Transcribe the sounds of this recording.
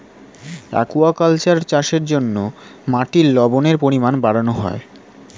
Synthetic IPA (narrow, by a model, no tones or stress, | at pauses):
a̰kuakalt͡ɕaɾt͡ɕaʃeɾd͡ʑonːomaʈiɾlɔboneɾpoɾimanbaɽanoɦɔ̰e